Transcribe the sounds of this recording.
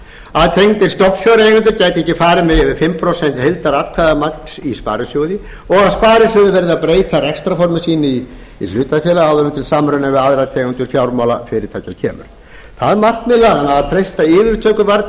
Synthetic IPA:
aðt̪ʰejɣʏnt̪ɪɾ̥st̪ɔpfjɔwɾejɣʏnt̪̬ʏɾcaːjt̪ɪɛhcːɪfaːɾɪmɛðɛvɪfɪmːpʰɾɔsɛn̥t̪helt̪aɾat̪kʰvaðamakn̥sispa̰ːɾɪsjowðɪ | ɔɣaðspaːɾɪsjowðɪvɛɾðɪaðpɾeːjt̪ʰarɛkst̪ɾafɔɾmɪsiːnɪi | ilʏːt̪afjɛːlaawðʏɾʏmt̪ʰɪlsaːmɾʏnavɪaðɾat̪ʰejɣʏnt̪ʏɾ̥fjawɾmawla̰fɪɾɪt̪ʰaːjcacʰɛ̰ːmʏ̰ɾ̥ | θaðmar̥t̪mɪlaːɣanaðaðt̪ʰɾejst̪aɪːvɪɾ̥t̪ʰœːkʏvaɾt̪

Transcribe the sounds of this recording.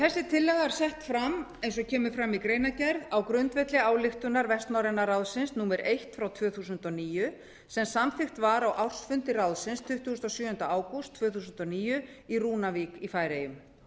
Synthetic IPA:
θɛsːɪt̪ʰɪlːɛɣaɾ̥sɛht̪fɾamejnsɔcʰɛːmʏ̥fɾamːikɾeːjnacɛɾðawkɾʏnt̪vɛt̪lɪaːwlɪxt̪ʏnaɾvɛst̪nawɾɛnːarawðsɪnsnuːmɛɾʔejht̪fɾawt̪ʰvœːθuːs̬ʏnt̪ɔniːjʏ | sɛmsamθɪxt̪vaɾawʔawr̥sfʏnt̪ɪrawðsɪnst̪ʰʏht̪ʏʏst̪ɔsjʏːʏnt̪aaːwkʊst̪ʰːvœːθuːsʏnt̪ɔniːjʏiruːnaviːkifaːjɾejʏm

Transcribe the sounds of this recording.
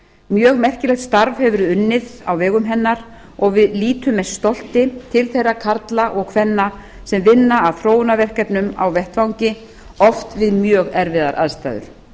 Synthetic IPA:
mjœːɣmɛr̥cɪlɛxt̪st̪aɾvhɛvʏɾʏnːɪða̰wvɛːɣʏmɦɛnːaɾ̥ | ɔɣvɪðliːt̪ʏmːɛst̪ɔl̥t̪ɪt̪ʰɪlθejrːakʰaɾt̪laʔɔɣkʰvɛnːa | sɛmvɪnːaːðθɾoːwnavɛr̥kɛpnʏma̰wvɛht̪vawɲcɪ | ɔft̪vɪðmjœːɣɛɾvɪða̰ɾʔa̰ðst̪a̰ðʏ̰ɾ̥

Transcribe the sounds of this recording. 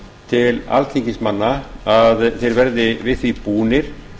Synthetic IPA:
t̪ʰɪla̰lt̪ʰiŋcɪsmanːaaðθejɾvɛɾðɪvɪðθvipuːnɪɾ̥

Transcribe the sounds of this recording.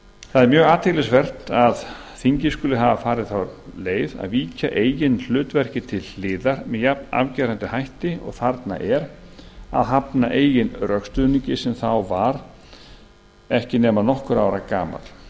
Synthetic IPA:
θaðɛɾmjœːɣaːt̪ʰɪklɪsvɛr̥t̪að | θiɲcɪskʏːlɪɦavafaːɾɪðθawɾleːjða̰ðviːcaʔeːjjɪnl̥ʏːt̪vɛr̥cɪt̪ʰɪlːɪːðaɾ̥mɛðjapna̰vcɛːɾant̪ɪhajht̪ɪɔ̰ɣθaɾt̪na̰ʔɛɾa̰ðɦapnaʔeːjɪnrœkst̪ʏðniɲcɪsɛmθawvaɾ | ɛhcɪnɛːmanɔhkʏɾaːwɾakaːma̰l

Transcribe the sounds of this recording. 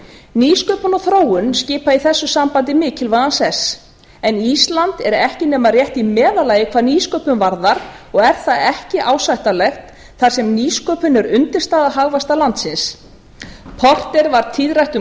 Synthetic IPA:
niːskœːpʏnɔθɾoːwʏnscɪːpaiθɛsːʏsampant̪ɪmɪːcɪlvaansɛs | ɛniːst̪lant̪ɛɾɛhcɪnɛːmarjɛht̪imɛːðalaːjɪkʰvaːɾniːskœːpʏmvaɾðaɾɔɣɛɾ̥θaɛhcɪʔaːwsajht̪alɛxt̪ | θaɾ̥sɛmniːskœːpʏnʏɾʏnt̪ɪɾ̥st̪aːðaɦaɣvast̪alant̪sɪns | pʰɔr̥t̪ɛɾvaɾt̪ʰɪðrajht̪ʏ

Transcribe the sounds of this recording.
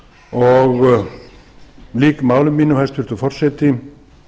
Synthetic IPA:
ɔɣ | liːkmaːwlʏmːinʏmhɛst̪pʏɾ̥t̪ʏfɔr̥sɛt̪ɪ

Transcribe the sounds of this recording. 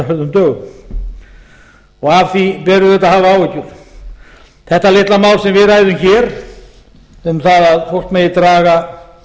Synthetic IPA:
fœðʏmt̪œːɣʏ | ɔɣavθipɛɾʏðɛt̪ːaðhaːvaaːwɛcʏɾ̥ | θɛht̪alɪht̪lamaːwlsɛmvɪðɾaːjðʏmçɛɾ̥ | ɛθaðaðfowr̥t̪mɛjɪt̪ɾaːɣa

